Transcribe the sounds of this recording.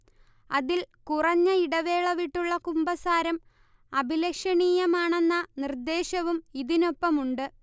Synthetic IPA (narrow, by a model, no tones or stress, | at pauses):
ɐðilkurɐɲːɐiɽɐʋe̞ːɭɐʋiʈːuɭːɐkumbɐsaːɾɐm | ɐbʱilɐkʂɐɳiːjɐmaːɳe̞nːɐnird̪e̞ːɕɐʋumiðino̞pːɐmuɳɖɨ